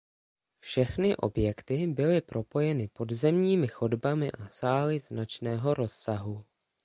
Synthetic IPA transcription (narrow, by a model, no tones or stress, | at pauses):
fʃɛxnɪʔo̞̰bjɛkt̪ɪbɪlɪpɾo̞po̞jɛnɪpo̞dzɛmɲiːmɪxo̞dbamɪʔasaːlɪznat͡ʃnɛːɦo̞ɾo̞sːaɦu